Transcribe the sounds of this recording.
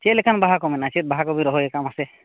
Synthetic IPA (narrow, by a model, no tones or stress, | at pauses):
t͡ʃelekanbaɦakɔminat͡ʃet̪̚baɦakɔbiɾɔɦɔekamase